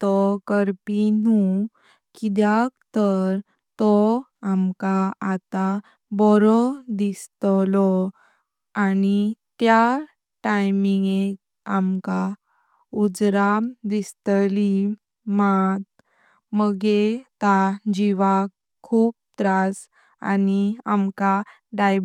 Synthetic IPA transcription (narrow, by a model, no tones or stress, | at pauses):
t̪ɔkəɾpinu | kid̪jakt̪əɾ | t̪ɔamkaat̪a | bɔɾɔd̪ist̪lɔ | anit̪ja | ʈajmiŋɡek | amka | ud͡zɾad̪ist̪li | mat̪̚ | məɡet̪ad͡ʑiʋak | kʰːuːp̚t̪ɾas | a̰niamka | ɖaj